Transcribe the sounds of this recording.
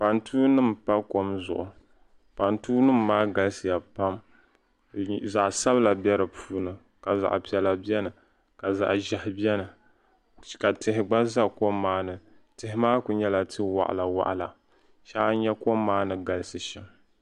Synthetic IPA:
pa˨ntʰuː˦nɨ˦mpa˦ko˦mzʊ̰˨ʔʊ˨ | pa˨ntuː˦nɨ˦mːaː˦ɡa˨lsɨ˨ja˨pa˦m | za˨ʔsa˦bɨ˦la˨bjɛ˦ɾɨ˨pʰuː˦nɨ˨ | ka˨za̰˨ʔpi˨ɛ˨la˨bi˦ɛ˦nɨ˨ | ka˨za̰˨ʔʒɛ˨hɪ˦bi˦ɛ˦nɨ˨ | ka˨tɪ˨ɦɪ˨ɡ͡ba˦za˦ko˦mːaː˦nɨ˨ | tɪ˨hɪ˦maː˦kʊ˨ɲɛ˦la˨tʰɨ˦wa̰˨ʔa̰˨la˨wa̰˦ʔla˨ | ʃa˦ɲɛ˦ko˦mːaː˦nɨ˨ɡa˨lɨ˦sɨ˨ʃɪ˨m

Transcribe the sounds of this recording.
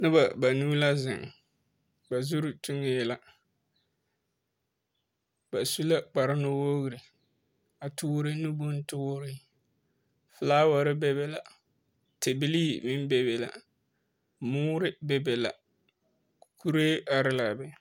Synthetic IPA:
nɪ˦ba˨ba˨nuː˦la˦zɪ̰˨ŋ | ba˨zu˦ɾʊ˨tu˦ŋɪ˦jɛ˨la˨ | b̥a˨su˦la˦k͡pa˨ɾɪ˦no˦woː˦ɣɨ˨ɾɪ˨ | a˨tʊ˦ɾɪ˦nu˦bo˦n˦tʊ˦ɾɪ˦ | fɪ˨laː˦wa˨ɾɪ˦bɛ˦be˦la˨ | te˨bɪ˦li˦˨mɪ˦n˦be˨be˨la̰˨ | mʊː˦ɾɪ˦be˨be˨la̰˨ | ku˦ɾeː˦a˨ɾɪ˦la˨bɪ˦

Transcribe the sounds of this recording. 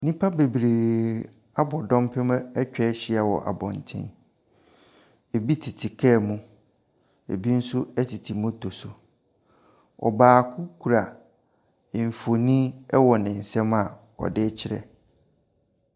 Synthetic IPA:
nĩ˦pʰa˦be˨bɾeː˨ | a˦bɔ˨dɔ̃˦mpʰɪ̃˦m˦ɛ˦t͡ɕᶣɛ˦ɕɪ˦a˨wɔ̰˨ʔa̰˨bɔ̃˨n̩˨tʰɪ̰̃˦n | e˨bi˦tʰi˨tʰi˨kʰɛ˦˨mũ˦ | ḛ˨bi˦n̩˦sʊ˦ɛ˦tʰi˨tʰi˨mʊ̃˦tʰo˨sʊ˨ | ɔ̰˨baː˨kʰʊ˦kʰu˨ɾa˨ | ɱ̩˨fo˨nĩ˦ɛ˦wɔ˨nɪ̃˨n̩˨sɛ̃˦ma˨ | ɔ̰˨dɪ˦t͡ɕʰɪ˦ɾɛ̰˨

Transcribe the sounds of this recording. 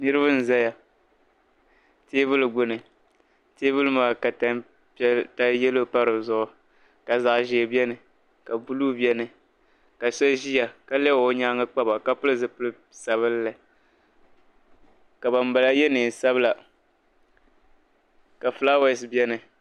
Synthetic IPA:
nɨ˦ɾɨ˦βɨ˦n̩˨za˦ja˨ | teː˦bʊ˦lɨ˨ɡ͡bʊ˦nɨ˨ | teː˦bɨ˦lɨ˦maː˨ka˨ta˦ | pta˦jɛ˦lo˦pa˦ɾɨ˨zʊ˦ʔʊ˨ | ka˨za˨ʔʒeː˨bɛ˦nɨ˨ | ka˨bu˦lu˦bi˦ɛ˦nɨ˨ | ka˨sɛ˦ʒi˦ja˨ka˦lɛ˦˨o˦ɲa˦ŋa˦k͡pa˦ba˨ka˦pʊ˦lɨ˦zɨ˨pʊ˦lɨ˦ | sa˨βɨ˦lːa˨ | ka˨ba˨m˦ba˨la˦jɛ˦nɨ˨sa˦bɨ˦la˨ | ka˨flaː˦wɛ˨sbɛ˦nɨ˨

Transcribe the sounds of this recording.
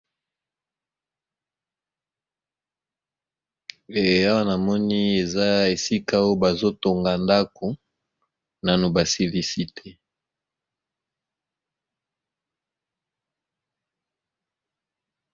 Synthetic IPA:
e˨a˦wa˦na˨mɔ˦ni˦e˨za˦e˨si˦ka˦o˦o˦ba˨zo˦to˨ŋɡa˨nda˦ko˨ | na˨nu˨ba˨se˨li˨si˨tʰe˦

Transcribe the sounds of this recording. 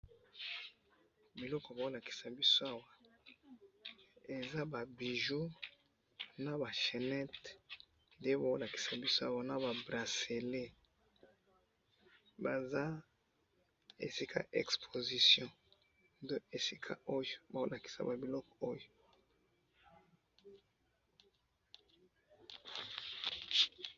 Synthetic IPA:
bi˨lɔ˦kɔ˨ba˨o˦la˨ki̥˨sa˨bi˦so˦a˦wa˦ | e˨za˦ba˨bi˨ʒu˦ | na˨ba˨ʃe˨nɛ˦t | de˦ba˨o˦la˨ki̥˨sa˨bi˦so˦a˦wa˦na˨ba˨bʁa˨se˨le˦ | ba˨za˦ | ḛ˨si˦kʰa̰˨ʔɛ˨kspʰo˨zi˨sjɔ̃˦ | do˦e˨si˦kʰa̰˦o˦jba˨o˦la˨ki̥˨sa̰˨ba˨bi˨lɔ˦kɔ˨o˦jo˨

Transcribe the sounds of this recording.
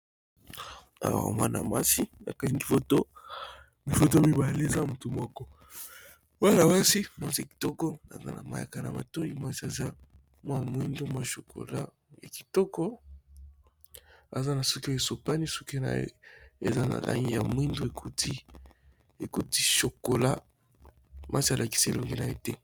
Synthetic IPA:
a̰˨wa̰˨mwa̰˦na̰˨ma̰˦si˦na̰˨ka˦i˦mi˨fo˦to˦ | mi˨fo˨t̬o˦mi˨ba˨le˦e˨za˦˨mu˨tu˨mɔ˦kɔ˦ | wa˦na˨wa˦si˦mwa˦nsi˨a˨ki̥˨tɔ˦kɔ˦na̰˨za̰˦na˨ma̰˨ja̰˨ka˨na̰˨ma̰˨to˦i˦mwa˦si˦a˨za˦ | mwa˦˨mwi˦ndo˦mwa˦˨ʃo˨ko̰˨la̰˦ | ja˨ki̥˨tɔ˦kɔ˦ | a̰˨za˦na˨su˦ki˦o˦e˨so˨pa˦ni˦su̥˦ki˦o˦na̰˨˦ḛ˨za˦na̰˨la̰˦ŋɡi˦ja̰˨mwi˦ndo˦e˨kʰu˦ti˦ | e˨ku˦ti˦ʃo˨ko˨la˦ | mʔa˦si˦a˨lʔa˨ki̥˨se˦ḛ˨lo˨ŋɡe˦na˨jḛ˦tɛ˦

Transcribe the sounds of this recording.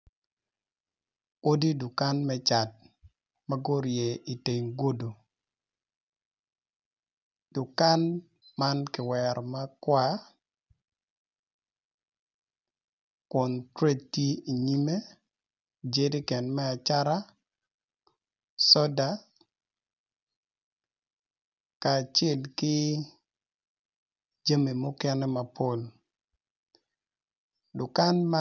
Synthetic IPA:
o˦di˦du˨ka˦nmɛ˦t͡ʃa˨t̚ | ma˦ɡo˦ɾje˨i˨te˨ŋɡo˦do˨ | d̥u˨ka˦n | ma˦nkɪ˨wɛ˨ɾma˦kwa˦ | kʊ˨ntɾe˦dti˦i˨ɲi˦me˦ | d͡ʒe˦di˦kɛ˨nmɛ˦a˨t͡ʃa˦ɾa˦ | sɔ˦da˨ | kaː˨t͡ʃɛ˦lkɪ˦ | d͡ʒa˦mi˨mʊ˦kɛ˦nɛ˦ma˨pʰo˦l | dʊ˨ka˦nma

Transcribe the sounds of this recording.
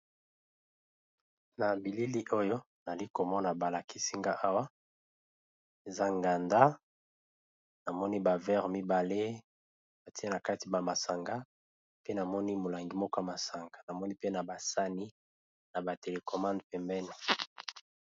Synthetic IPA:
na˨bi˨li˦li˦ʔo˦jo˦ | na˨li˦ko˨mɔ˦na˨ba˨la˨ki˦si˦ŋɡa˦ʔa˦wa˦ | e˨za˦ŋɡa˨nda˦ | na˨mɔ˦ni˦ba˨vɛ˦ʁmi˦ba˨le˦ | ba˨ti˦e˦na˨ka˦ti˨ba˨ma˨sa˨ŋɡa˦ | pe˦na˨mɔ˦ni˦mo˨la˨ŋɡi˨mɔ˦ko˦a˦ma˨sa˨ŋɡa˨na˨mɔ˦ni˦pe˦na˨ba˨sa˦ni˦ | na˨ba˨te˨le˨kɔ˨mã˦ndpɛ˨mbɛ˦nɛ˨

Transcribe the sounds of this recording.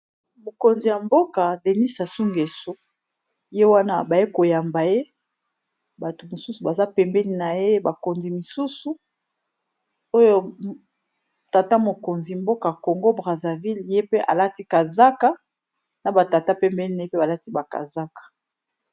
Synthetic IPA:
mo˨ko˨nzi˨ja˨mbo˦ka˨de˨ni˦sa˨su˦ŋɡe˨so˦ | je˦wa˦na˦ba˨je˦ko˨ja˨mba˨je˦ | ba˨to˨mo˨su˦su˨ba˨za˦pɛ˨mbɛ˦ni˦na˨je˦ba˨ko˨nzi˨mi˨su˦su˨ | o˦jo˦ | ta˨ta˦mo˨ko˨nzi˨mbo˦ka˨ko˨ŋɡo˦bʁa˨za˨vi˦lje˦pe˦ʔa̰˨la˦ti˦ka˨za˦ka˦ | na˨ba˨ta˨ta˦pɛ˨mbɛ˦ni˦na˨je˦pe˦ba˨la˦ti˦ba˨ka̰˨za˦kḁ˨

